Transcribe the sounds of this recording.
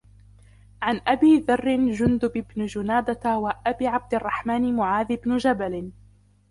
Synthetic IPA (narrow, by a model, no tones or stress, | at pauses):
ʕanʔabiːðɑrːɪnd͡ʒʊnd̪ʊbɪbnʊd͡ʒʊnaːd̪at̪waʔabiːʕab̚d̪ɪʔɑrˤːɑħmaːnɪmʊʕaːðɪbnʊd͡ʒabalɪ